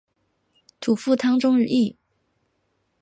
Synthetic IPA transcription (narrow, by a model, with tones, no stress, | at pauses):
t̪ʰu˨˩fu˥˩t̪ʰɑ˥ŋʈ͡ʂʊ˥ŋɻ̩˥˧ʔi˥˩